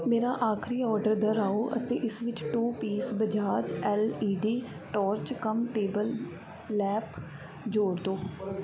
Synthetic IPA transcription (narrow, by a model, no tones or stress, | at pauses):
meːɾaːʔaːkʰɾiːɔːɾɖəɾd̪əɾaːoːʔə̰t̪eːʔɪsʋɪt͡ʃʈuːpiːsbəd͡ʒaːd͡ʒɛːliːɖiː | ʈɔːɾt͡ʃkəmʈeːbəlː | ɛːp | d͡ʒoːɽd̪oː